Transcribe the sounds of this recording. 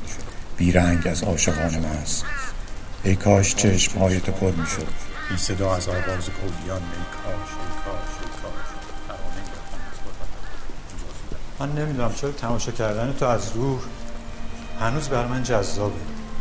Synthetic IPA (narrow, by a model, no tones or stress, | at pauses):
b̥iːɾæŋɟæzɒːʃeɣɒːnemɒːæst̪ | ejkʰɒːʃt͡ʃʰeʃmhɒːjet̪ʰopʰo̞ɾmiːʃod̪̥ejsed̪ɒːæzɒːɣɒːzepʰobijɒːnbejkʰɒːʃejkʰɒːʃejkʰɒːɾʃt̪ʰæɾɒːmeɡeɾefd̪ænæz̥bʰoɾdæt̪æodɒːʃod̪æmænːe̞mid̪uːnæmt͡ʃʰoɾɒt̪ʰæmɒːʃɒːcʰæɾd̪ænet̪ʰoæzɾuːɾ | hænuːzbæɾmænd͡ʒæzːɒːbu